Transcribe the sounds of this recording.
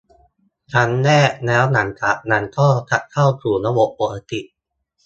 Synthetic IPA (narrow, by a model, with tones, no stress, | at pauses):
t͡ɕʰa˦˥nːɛː˥˩nɛː˦˥wna˩˦ŋt͡ɕa˨˩ʔ̚na˨˩˦nkʰɔː˥˩t̪ʰa˨˩ʔ̚kʰa˥˩wkʰɾuː˨˩na˦˥wo˨˩ʔ̚ʔo˨˩ʔa˧t̪i˨˩ʔ